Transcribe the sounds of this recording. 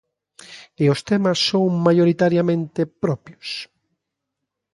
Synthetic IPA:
ɪʊst̪ɛmɐsːõŋmajoɾit̪aɾjamẽnt̪epɾɔpjos

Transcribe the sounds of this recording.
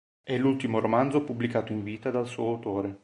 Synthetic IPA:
ɛlːult̪imoɾomand̪zopublikaːt̪oiɱviːt̪ad̪alsuːoawt̪oːɾe

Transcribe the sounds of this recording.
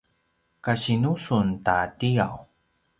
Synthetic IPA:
kaɕinusuntatia̰w

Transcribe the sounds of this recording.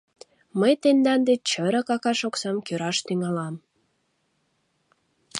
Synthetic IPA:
məjt̪end̪ɑnd̪et͡ɕəɾəkɑkɑʃoksɑmkøɾɑʃt̪yŋɑlɑm

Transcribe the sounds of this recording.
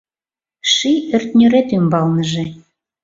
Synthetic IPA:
ʃiørt̪nʲøɾet̪ymbɑlnəʒĕ

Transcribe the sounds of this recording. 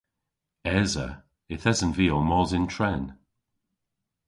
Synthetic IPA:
ɛzə̰ | ɪθɛzənviːomɔzɪntʰɹɛn

